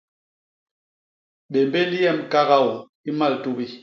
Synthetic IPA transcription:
ɓe˨mbe˦ndi˦jɛ˦˨mka˦ɣa˦˨wu˨ | i˦ma˦˨ltu˦bi˦

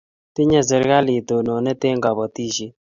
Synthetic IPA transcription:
t̪ɪ˦ɲa˦zɛ˨ɾka˦li˨t̪o˨no˨nɛ˦t̪e˦ŋɡa˨bɔ˨t̪i˦ʃi˦

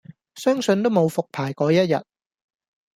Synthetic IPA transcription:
sœː˥ŋsɵ˧nt̪o˥wmo˨˧wfʊ˨k̚pʰaː˨˩jkɔː˨˥jɐ˥t̚jɐ̰˨t̚

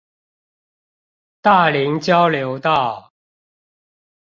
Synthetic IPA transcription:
t̪a˥˩li˨˥ŋt͡ɕjɑ˦ʊljo˨˧˥ʊt̪ɑ˥˨ʊ

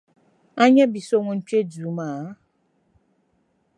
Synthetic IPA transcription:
a˦ɲɛ˦bi˨so˦ŋu˦n̩˦t͡ʃwe˦d͡zu˨˦ma˨˦

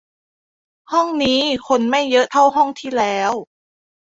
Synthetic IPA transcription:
hɔ˥˩ŋniː˦˥kʰo˧nma˥˩jːɤ˦˥ʔt̪ʰa˥˩wɦɔ˥˩ŋt̪ʰiː˥˩lɛː˦˥w

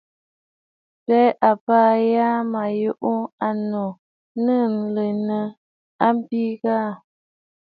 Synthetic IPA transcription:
pɛ˦ʔa˨paː˦ja˦ma˨jo˦ʔo˦a˨nɔ˨ | nə˦˨n˨lə˨nə˨ | a˦m˦bi˦ɣaː˦˨

